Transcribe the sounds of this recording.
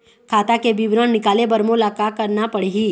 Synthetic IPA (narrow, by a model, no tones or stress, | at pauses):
kʰaːt̪akebiʋɾənnɪkaːlebɐɾmolakakəɾnapɐɽiɦi